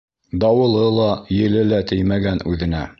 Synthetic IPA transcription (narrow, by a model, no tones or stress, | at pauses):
d̪ɑwɤ̆lˠɤlˠɑjɘ̆lɘlæt̪ɘjmæɡænʉðɘ̆næ